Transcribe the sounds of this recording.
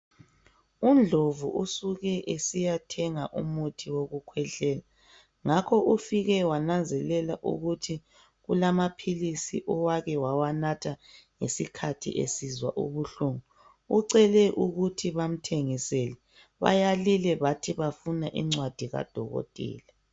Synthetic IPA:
und͡ɮʱovṵʔusuɣɛʔesijatʰɛŋaʔumutʰiwoɣukʰwɛɬɛːla | ŋakʰɔʔufiɣɛwanand͡zʱɛlɛlaʔṵɣutʰi | ɣulamapʰilisḭʔɔwaɣɛwawanatʰaŋesikʰatʰḭʔḛsizwa̰ʔṵβuɬuŋu | uǀɛlɛʔuɣutʰiβam̩tʰeŋisɛlɛ | βa̰jalilɛβatʰiβafunaʔḭŋ͡ǀwad̥ʱiɣa̰d̥ʱɔɣɔ̰tʼḭːla

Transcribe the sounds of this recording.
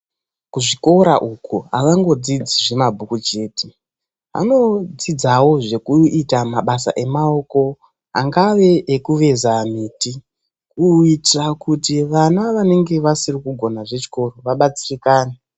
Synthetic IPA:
kuʐiko̞ɾaʔukuaʋaŋɡo̞d͡zid͡ziʐe̞mabʱukut͡ʃe̞ːte | a̰no̞d͡zid͡zawo̞ʐe̞kuitamaɓasa̰ʔe̞mao̞ko̞ | aŋɡaʋe̞ʔːkuʋe̞zamiːti | kuitrakutiʋanaʋane̞ŋɡe̞ʋasirikuɡʱo̞naʐet͡ʃi̥ko̞ro̞ʋaɓat͡sirikaːne

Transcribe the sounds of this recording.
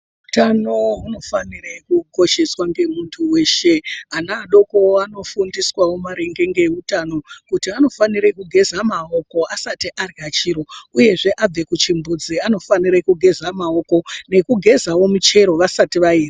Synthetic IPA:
utano̞ɦuno̞fanirekuɡʱo̞ʃeswaŋɡe̞muntʰuwe̞ːʃeanaːɗo̞ko̞ano̞fundiswawomaɾeŋɡe̞ŋɡe̞utano̞kutiano̞faniɾekuɡʱe̞zamaoko̞asatiʔarat͡ʃiɾo̞uje̞ʐe̞ʔab͡ve̞kut͡ʃimbud͡ziano̞faniɾekuɡʱe̞zamao̞ko̞ne̞kuɡʱe̞zawo̞mut͡ʃe̞ɾo̞ʋasatiʋaiːri

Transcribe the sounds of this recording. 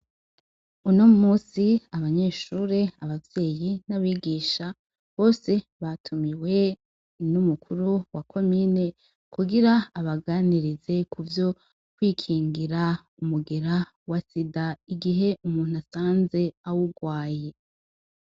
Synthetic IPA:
unomumuːsiaβaɲe̞ːʃuɾeaβavje̞ːjinaβiːɡiːʃa | βo̞ːse̞βatʰumiwe̞ | numukʰuɾuwakʰo̞mine̞ | kuɡiɾaːβaɡaniɾize̞kʰuvjo̞ | kwiːkʰiːŋɡiɾa | umuɡe̞ɾa | wasidaiɡiɦe̞umuːn̥hasaːnze̞awuɡwaːje̞

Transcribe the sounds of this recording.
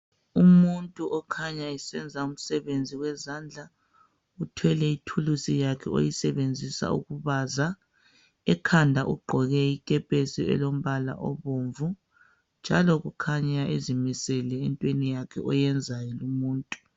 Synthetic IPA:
ummuntʼuʔɔkʰaɲaɛsɛnd͡zʱaum̩sɛβend͡zʱiɣwɛzaːnd͡ɮʱa | utʰwɛlɛitʰulusijakʰɛ̰o̰jisɛβend͡zʱisa̰ṵɣuβaza | ɛkʰandʱaʔuɡ͡ǃʱɔɣɛikʼɛpʼesiɛ̰lom̩βala̰ʔɔ̰βoɱvu | nd͡ʒʱalɔɣukʰaɲaʔezimisɛlɛːntʼwenijakʰɛ̰ɔjɛnd͡zʱajɔlumuːntʼu̥

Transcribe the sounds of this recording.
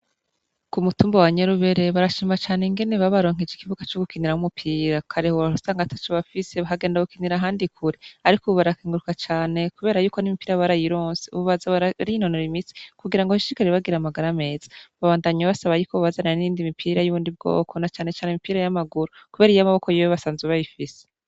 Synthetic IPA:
kumutuːmbowaɲeɾuβe̞ɾe̞βaɾaʃiːmat͡ʃaːneŋɡe̞neβaβaɾo̞ːŋ̥ed͡ʒikivuɡat͡ʃoɡukiniɾahumupʰiːɾakʰaɾehuausaːŋɡatḁt͡ʃoβafise̞βaɦaɡe̞ːndaɡukiniɾaɦaːndikʰuɾeaɾikoβaɾakiːŋɡuɾukat͡ʃaːne̞kuβe̞ːɾajuːko̞nimipiːɾaβaɾajiɾoːnseṵβuβazaaijinonoɾimit͡si̥kuɡiɾaŋɡohiʃiɾikaɾeβaɡiɾamaɡaɾame̞ːzḁβaβaːndaɲaβasaβajuːkʰoββazananiiːndimipʰiːɾajuβuːndib̚ɡo̞̰ːkʰo̞nat͡ʃaːne̞t͡ʃaːnimipiːɾajamaɡuɾukuβe̞ːɾijamaβokojeweβasaːnzeβajifise̥

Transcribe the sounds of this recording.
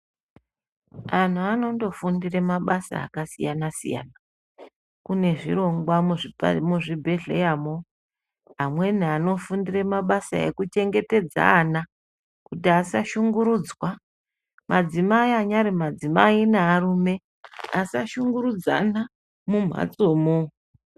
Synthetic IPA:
an̤uano̞ndo̞fundiremaɓasa̰ːkasḭjanasḭja̰ːna | kune̞ʐḭro̞ŋɡwamuʐimuʐibʱe̞ɮe̞̰jamo̞ | amwe̞niano̞fundire̞maɓasa̰ḛkut͡ʃe̞ŋɡe̞te̞d͡za̰ːna | kutiasaʃuŋɡuɾuːd͡zwa | mʔad͡zimaiaɲaɾimad͡zimainaːruːme̞ | asaʃuŋɡuɾud͡za̰na | mum̤a̰t͡soːmo

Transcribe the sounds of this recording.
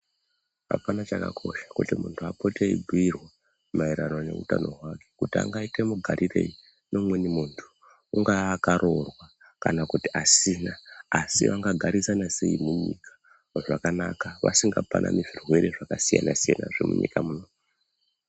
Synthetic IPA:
ɦa̰panat͡ʃaka̰kʰo̞ʃḁkutimuntʰuapo̞teḭbʱuirwa | maiɾanone̞̰ṵtano̞ɦwake̞̥kutia̰ŋɡaite̞muɡʱaɾʔire̞̰i | no̞mwenimuntʰu̥ | uŋɡakaɾʔo̞rwa | kanakutiʔasinaːsḭʋaŋɡaɡʱaɾisanase̞imuɲikʰḁ | ʐakanakaʋa̰siŋɡapanʔa̰miʐirwe̞ɾe̞ʐakasija̰nasijanaʐḛmṵɲḭkamuno

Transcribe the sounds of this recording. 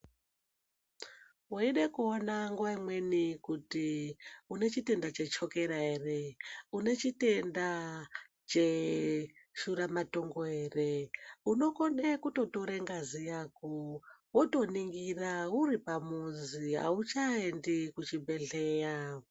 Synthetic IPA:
woiɗekuonaŋɡwaimwe̞nikutiune̞t͡ʃite̞ndat͡ʃe̞t͡ʃo̞ke̞ɾaereune̞t͡ʃite̞nda | t͡ʃe | ʃuɾamato̞ŋɡoeːreuno̞konekuto̞toɾeŋɡazijaːkuwoto̞niŋɡirauripamuzia̰ut͡ʃaendikut͡ʃibʱe̞ɮeːja

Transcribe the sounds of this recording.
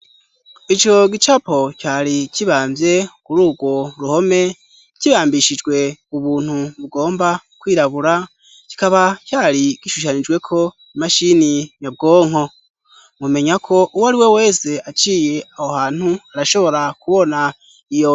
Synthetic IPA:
it͡ʃo̞ɡit͡ʃapo̞caːɾiciβaːmbje̞kuɾuːɡwo̞ɾuho̞me̞ | ciβaːmbiʃid͡ʒɡwe̞uβuːn̥huβuɡo̞ːmbakwiːɾaβuɾa | ci̥kaβacaːɾiɡ̥iʃuʃ̬anid͡ʒɡwe̞kʰo̞ | imaʃiniɲab̚ɡo̞ːŋ̥ho̞ | mume̞ɲakʰo̞ʔuwaɾiwe̞we̞ːse̞at͡ʃiːje̞ahohaːn̥huaɾaʃo̞βo̞ɾakuβo̞na | ijo

